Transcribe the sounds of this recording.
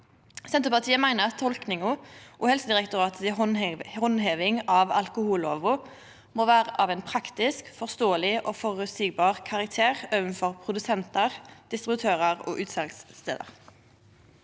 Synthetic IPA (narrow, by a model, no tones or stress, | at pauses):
sɛnt̪əpɑʁt̪ʰiːəmæɪnəʁɑt̪ʰːɔlknɪŋʊʔuːhɛlsəd̪ɪʁɛkt̪ʊʁɑːt̪ɪhɔnheːʋɪŋɑːʋɑlkʊhuːloːʋʊ | moːʋæːʁəʔɑːʋɛːnpʰʁɑkt̪ɪskfɔʁst̪oːəlɪʔoːfɔːʁʉt̪syːɡ̚bɑːʁkʰɑʁɑk̚t̪ʰeːʁøːʋənfɔʁpʰʁʊd̪ʉsɛnt̪əʁd̪̥ɪst̪ʁɪbʉt̪ʰøːʁəʁo̰ːʔʉːt̪sɛlkst̪ḛːd̪ə̰ʁ